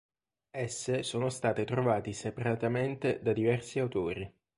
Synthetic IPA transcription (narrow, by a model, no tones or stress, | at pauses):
ɛsːesoːnost̪aːt̪et̪ɾovaːt̪isepaɾat̪ament̪ed̪ad̪ivɛrsiawt̪oːɾi